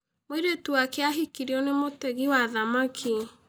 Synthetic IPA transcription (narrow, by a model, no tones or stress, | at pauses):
mweɾetuwakeaɦikiɾiɔnemotɛɣiwaðamakʰi